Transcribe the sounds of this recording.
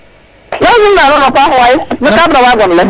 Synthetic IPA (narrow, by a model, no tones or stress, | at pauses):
nɔzʊnaɾʊnɔkʷaɦʊajɪbʊkabawaɡʷɔn̩e